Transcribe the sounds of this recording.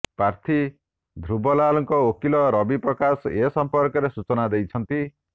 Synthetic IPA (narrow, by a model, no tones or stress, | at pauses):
pɾaɾt̪ʰi | d̪ʱɾubɔlalɔŋkɔokilɔɾɔbipɾɔkasesɔmpɔɾkɔɾesut͡ʃɔnad̪ejt͡ʃʰɔnt̪i